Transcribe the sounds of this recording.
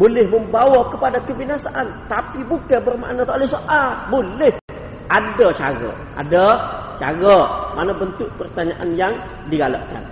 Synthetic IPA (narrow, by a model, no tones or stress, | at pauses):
bolɪhməmbawakəpadakəbinasaʔant̪apibukabərma̰ʔnat̪lahsoʔalbolɪh | ʔadat͡ʃa̰ɡə̰ | ʔa̰dat͡ʃa̰ɡəmanabənt̪ʊʔ̚pərt̪aɲaʔanjaŋ | diɡala̰ʔka̰n